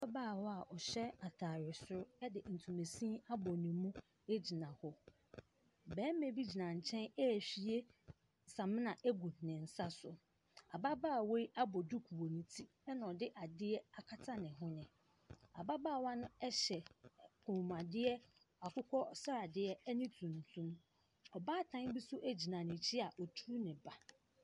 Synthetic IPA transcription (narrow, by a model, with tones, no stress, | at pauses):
a˦baː˦˨wɔ˦a˨ʔɔ˨ɕɛ˦a˨tʰaː˨ɾɪ˨sʊ˦ɾʊ˦ɛ˦dɪ˨n̩˨tʰũ˨me˨sĩ˦a˦bɔ˨nĩ˨mũ˦ | e˦d͡ʑi˨nã˨hɔ˦ | bɛ̃ː˨˦mẽ˨bi˦d͡ʑi˨nã˨ɲ̩˨t͡ɕʰɛ̃˦nɛ˦˨ɕi˨˦e˦ | sã˨mɪ̃˦nã˨ʔe˦ɡu˨nɪ̃˨n̩˨sa˦sʊ˨ | a˨ba˦baː˦˨we˦i˦ʔa˦bɔ˨du˦kʰu˨o˨nĩ˨tʰi˦ | ɛ˦nã˨ɔ˨dɪ˦ʔa˨dɪ˦ɛ˦a˨kʰa˦tʰa˦nɪ̃˨ɦʊ̃˦nɪ̃˨ | a̰˨ba˦baː˦˨wã˦nʊ̃˦ɛ˦ɕɛ˨kʰũ˨m˨a˨dɪ˦ɛ˦ | a˨kʰʊ˦kʰɔ˦sa˦ɾa˨dɪ˦ɛ˦ɛ˦nĩ˦tʰũ˨n˨tʰũ˦m | ɔ˨baː˦˨tʰã˦n˦bi˦sʊ˦ʔæ˦d͡ʑi˨nã˨nɪ̃˨t͡ɕʰɪ˦a˨ʔɔ˨tʰu˦nɪ̃˨ba˨